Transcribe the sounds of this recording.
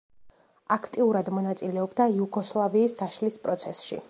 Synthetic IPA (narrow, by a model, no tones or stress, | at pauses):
akʰt̪ʼiuɾad̪mɔnat̪sʼilɛɔbd̪ajuɡɔslˠaviːsd̪aʃlispʼɾɔt̪sʰɛsʃḭ